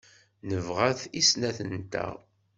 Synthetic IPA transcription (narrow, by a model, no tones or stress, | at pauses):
nəvʁæθisnæθənt̪æ̰